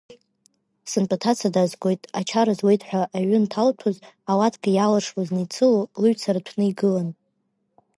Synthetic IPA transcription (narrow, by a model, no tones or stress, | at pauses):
sɨnpʼatʰat͡sʰadazɡʷo̞jtʼat͡ʃʰaɾazwe̞jtʰʼħʷaʔːɥʏntʰaltʰoz | awatʰɡajalaʂwaznɨjt͡sʰɨlolɨɥt͡sʰaɾatʷʰnɨiɡɨlan